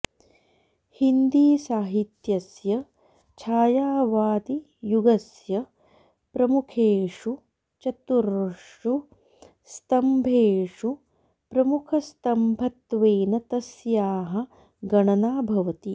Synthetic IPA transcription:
hind̪iːsaːɦit̪jɐsjɐ | t͡ʃʰaːjaːʋaːd̪i | juɡɐsjɐ | pɾɐmukʰeːʂu | t͡ʃɐt̪uɾʂ | u | st̪ɐmbʱeːʂu | pɾɐmukʰɐst̪ɐmbʱɐt̪ʋeːnɐt̪ɐsjaːɦɐ̆ | ɡɐɳɐnaːbʱɐʋɐt̪i

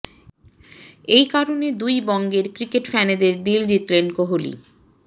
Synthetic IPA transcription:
ejkaɾoned̪ujbɔŋɡeɾkɾikeʈfɛned̪eɾd̪ild͡ʑit̪lenkoɦolḭ

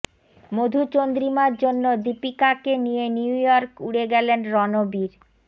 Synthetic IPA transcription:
mod̪ʱut͡ɕond̪ɾimaɾd͡ʑonːod̪ipikakenijeniujɔɾkuɽeɡɛlenɾɔnobiɾ

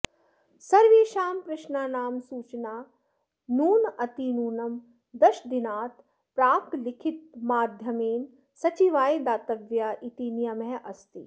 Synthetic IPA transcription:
sɐɾʋiːʃaːmpɾɪʃnaːnaːmsuːt͡ʃnaː | nuːnɐt̪inuːnɐm | d̪ɐʃd̪inaːt̪ | pɾaːklɪkʰit̪̚maːd̪ʱjɐmeːn | sɐt͡ʃiʋaːid̪aːt̪ɐʋjaːʔit̪inijɐmeɦʔɐst̪i

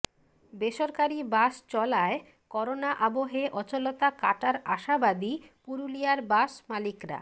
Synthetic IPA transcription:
beʃoɾkaɾibaʃt͡ɕɔlae | kɔɾonaʔaboɦeʔɔt͡ɕolot̪akaʈaɾaʃabad̪ipuɾulijaɾbaʃmalikɾa̰

